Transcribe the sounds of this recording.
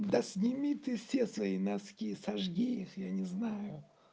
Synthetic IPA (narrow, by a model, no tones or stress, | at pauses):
d̪ɐsʲnʲɪmʲit̪ɨsʲesvɐinaskʲisɐʐɡʲiixjanʲɪznajʊ